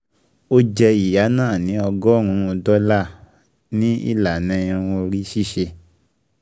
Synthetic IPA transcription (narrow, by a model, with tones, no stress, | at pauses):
o˦d͡ʒɛ˧i˨ja˨˦nãː˦˨nĩ˨˦ɔ˧ɡɔ˦˨ɾ̃ũ˧o˧dɔ˦la˦˨ | nĩ˦ḭ˦˨la˨nɛ̃˧ĩ˧õ˧ɾi˦ʃi˦˨ʃe˧